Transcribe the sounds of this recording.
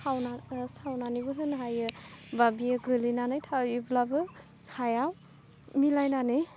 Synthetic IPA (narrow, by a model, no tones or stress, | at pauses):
awnasawnanibɯɦɯnɦajɯbabijɯɡɯlinanajtʰaiblabɯ | hajaw | milajnanɯj